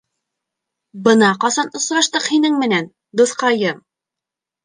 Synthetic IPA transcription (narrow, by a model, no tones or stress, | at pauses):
bɤ̆nɑqɑsɑnŏsɾɑʃt̪ɤqhinɘŋmɘ̆næn | d̪uθqɑjɤm